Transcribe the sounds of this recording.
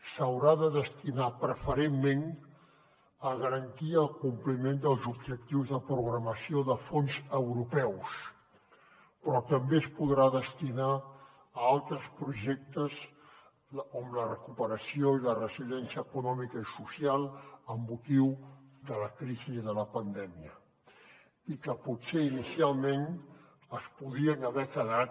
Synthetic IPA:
səwɾaðəðəst̪inapɾəfəɾemːen | əɣəɾənt̪iəːlˠkumplimend̪əlˠzubʒək̚t̪iwzðəpɾuɣɾəməsioðəfonzəwɾupɛws | pɾɔt̪əmbeəspuðɾaðəst̪inaː | alˠt̪ɾəspɾuʒɛk̚t̪əz | omlərəkupəɾəsioilərəzilɛnsiəːkunɔmikəisusialˠəmbut̪iwðələkɾiziðələpənd̪ɛmiə | ikəpuseinisialˠmen | əspuðiənəβɛkəðat̪

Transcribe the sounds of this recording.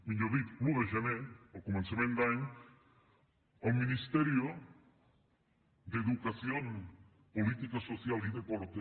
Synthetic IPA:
miɲoðit̪luɣeʒeneokoment͡sameŋɡ̪aɲ | ominist̪eɾio | d̪eðukasion | polit̪ikasosialiðekoɾt̪e

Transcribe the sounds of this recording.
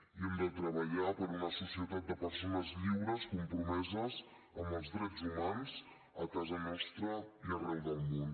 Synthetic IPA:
iɛmd̪ət̪ɾəβəʎapəɾunəsusiət̪at̪̚d̪əpəɾsonəzʎiwɾəskumpɾumɛzəz | əmbəlˠzðɾɛd͡zumanz̥ | əkazənɔst̪ɾəiərɛwðəlˠmon

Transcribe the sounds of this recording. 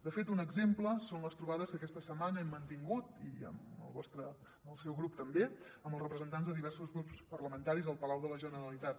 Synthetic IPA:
d̪əfet̪unəɡzempləsonləst̪ɾuβaðəskəkɛst̪əsəmanəɛmːənt̪iŋɡut̪ḭə̰mə̰lˠβɔst̪ɾə | əlˠsɛwɣɾup̚t̪əmbe | əmbəlˠrəpɾəzənt̪anzðəðiβɛrsuzɣɾupspərləmənt̪aɾizəlˠpəlawðələʒənəɾəlit̪at̪

